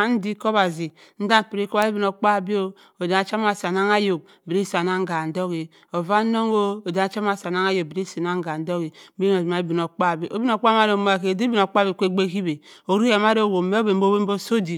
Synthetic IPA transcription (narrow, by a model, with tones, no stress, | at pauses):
a˦n̩˦di˦ko˦βa˨zi˨ | n̩˦da˦m˨pi˨ɾe˦ko˦wa˦e˦bi˨no˨k͡pa˦˨bi˦o˦ | o˨da˨˦a˨˦t͡ʃa˦m˦a˨sa˨na˦ŋa˦jo˨k̚ | bi˨ɾi˦sa˨na˦ŋ˦ɡa˨n̩˨do˦ɡi˨ | o˨va˦no˦ŋo˦o˨da˦a˨˦t͡ʃa˦m˦a˨sa˨na˦ŋa˦jo˨k̚bi˨ɾi˦si˨na˦ŋ˦ɡa˨n̩˨˦do˦ɣi˨˦be˦o˨ma˨˦e˦bi˨no˨k͡pa˦˨bi˦ʔo˦bi˦no˨k͡pma˦ɾo˨mo˦a˨ke˨de˦bi˦n˨o˨k͡pbi˨kʷe˦ɡ͡be˦ki˦be˨ | o˨ɾu˦e˨ma˦ɾo˦˨wo˨me˦o˦be˨m˦bo˦be˦m˦bo˦so˦di˨